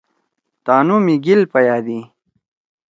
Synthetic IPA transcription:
t̪aːnumiɡilpɐjaːd̪i

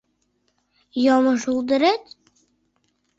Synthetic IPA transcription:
jɑmɤʃulˠd̪ə̆ɾet̪

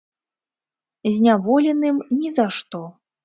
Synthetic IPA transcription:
zʲnʲavɔlʲɛnɨmnʲizaʂt̪ɔ

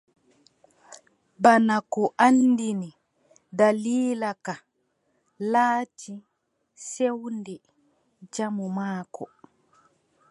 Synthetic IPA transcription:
banakɔʔanːdini | daliːlaka | laːtʰi | sewndɛ | d͡ʒamumaːkʰɔ̰

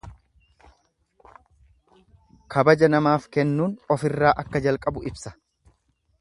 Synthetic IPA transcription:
kʰɐbɐd͡ʒɐnɐmaːfkɛnːuːnɔfɪrːaːʔɐkːɐd͡ʒɐlkʼɐbʊʔɪbsɐ̥

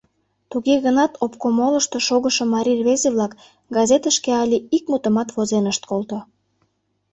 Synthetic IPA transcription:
t̪uɣeɣənɑt̪opkomoləʃt̪oʃoɣəʃomɑɾʲirβezeβlɑk | ɡɑzet̪əʃkeɑlʲiik̚mut̪əmɑt̪βozenəʃt̪kolt̪o

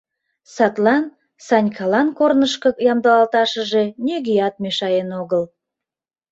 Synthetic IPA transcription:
sɑt̪lɑn | sɑnʲkʰɑlɑnkornəʃkəjɑmd̪ɑlɑlt̪ɑʃəʒe̽nʲøɣijɑt̪̚meʃɑjenoɣəl

